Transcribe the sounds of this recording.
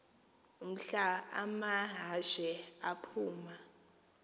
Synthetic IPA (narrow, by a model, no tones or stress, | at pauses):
um̩ɬaa̰maɦaʃɛapʰuːma